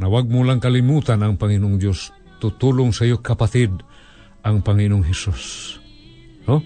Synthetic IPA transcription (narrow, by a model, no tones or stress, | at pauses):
nawaɡ̚mʊlaŋkalimut̪anaŋpaŋinoŋd̪jos | t̪ʊt̪ulʊŋsajokapaθɪd̪̚ | aŋpaŋinoŋɦɛsus | no